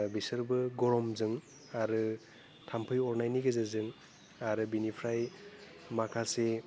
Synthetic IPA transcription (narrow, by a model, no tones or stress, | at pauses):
bisɯɾbɯɡɔɾɔmzɯŋ | aɾɯ | tʰampʰɯjɔɾnajniɡezɯzɯŋ | aɾɯbinipʰɾaj | makʰase